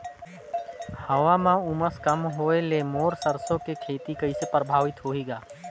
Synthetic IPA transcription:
həʋamãʊməskəmɦoːelemoːɾsəɾsõkekʰeːt̪ikəɪsepɾəbʱaːʋɪt̪ɦoːiːɡaː

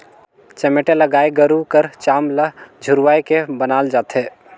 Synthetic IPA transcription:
t͡ʃɛmeʈeləɡaːeɡəɾukəɾt͡ʃaːmləd͡ʒʱʊɾʋaːekebənaːld͡ʒaːt̪ɦeː

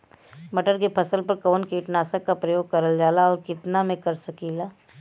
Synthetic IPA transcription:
bɐʈəɾkepʰɐsəlpɐɾkoːnkiːʈnaːsəkːapɾɐjoːɡ̚kɐɾəld͡ʒaːlaɔːɾkɪt̪namẽkɐɾsɐkiːlaː

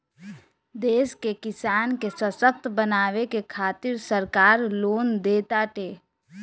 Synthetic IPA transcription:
d̪eːskekɪsaːnkesəsək̚t̪bənaːwekekʰaːt̪ɪɾsəɾkaːɾloːnd̪eːt̪aʈeː

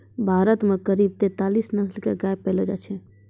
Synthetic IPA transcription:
bʱaɾət̪mekəɾib̚t̪et̪alisnəslkeɡaepɛlod͡ʒat͡ʃʰɛ

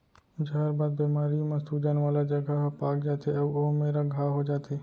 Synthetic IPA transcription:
d͡ʒʱaːɾbaːd̪̚beːmaːɾijõmãsuːd͡ʒanʋaːlad͡ʒəɡʱapaːkd͡ʒaːt̪ʰeɐʋomeːɾaɡʱaːɦod͡ʒaːt̪ʰeː

